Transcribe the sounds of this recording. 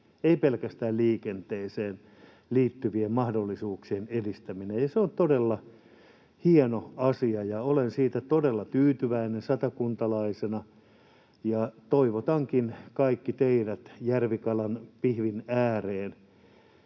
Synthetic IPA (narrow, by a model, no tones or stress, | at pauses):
eipelkæst̪æːlliːkent̪eːseːn | liːt̪ːyʋiemmɑhdolːisuːksienedist̪æminejjɑseont̪odelːɑ | hienoɑsiɑjɑolensiːt̪æt̪odelːɑt̪yːt̪yʋæinensɑt̪ɑkunt̪ɑlɑisenɑ | jɑt̪oiʋot̪ɑŋkinkɑikːit̪eiɾæt̪jærʋikɑlɑnpihʋinæːreːn